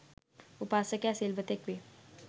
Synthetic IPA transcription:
ʊpaːsəkɛseːlʋət̪ekʋeː

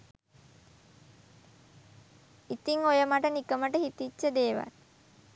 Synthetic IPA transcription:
it̪iŋojəmaʈənikəməʈəhit̪it͡ʃːəd̪eːʋa̰l

